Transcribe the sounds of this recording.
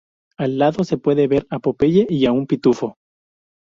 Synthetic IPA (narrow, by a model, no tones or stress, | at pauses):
alːaðo̞se̞pwe̞ðe̞βe̞ɾapo̞pe̞ʝeʔiaumpit̪ufo̞